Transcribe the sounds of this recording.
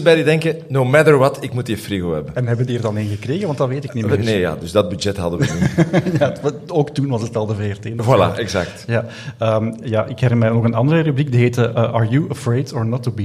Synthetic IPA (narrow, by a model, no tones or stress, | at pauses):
bɛjdidɛŋkənomɛdəɹʋɑtɪkmutjəfɾiɣoːɦɛ̰bənɛnʋɦɛbəndiːrdɑnɪnɣəkreːɣəʋɑntdɑʋeːtɪkknimneːja̰ːdɵzdɑd̚byd͡ʒɛtɦɑdəʋjaoːktunʋɑsətɑlˠdəveɛrteːnwala̰ɛɡza̰k̚tjaː | əːmjaːʔɪkhɛɾɪnmɛnɔɣənɑndərərʉblikdiɦeːtəʔəʔaɹjuəfɹeːdɔɹnɔtːubi